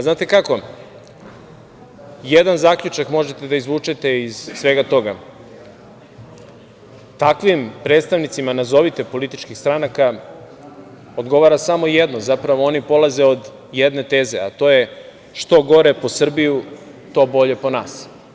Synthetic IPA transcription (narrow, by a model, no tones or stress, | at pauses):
znaːt̪e̞kako̞ | jed̪anzakʎut͡ʃakmo̞ʒet̪e̞d̪aizʋuːt͡ʃet̪e̞iz̥sʋe̞ːɡat̪o̞ɡa | t̪akʋimpɾe̞ːt̪st̪aʋnit̪simanazo̞ʋit̪e̞po̞lit̪it͡ʃkixst̪ɾanaka | o̞d̪ɡo̞ʋaɾasamojed̪nozapɾaʋo̞o̞nipo̞lˠaze̞o̞d̪ | jed̪ne̞t̪e̞ːze̞̰a̰t̪o̞je̞ | ʃt̪o̞ɡo̞ɾe̞po̞sr̩bijut̪o̞bo̞ʎe̞po̞naːs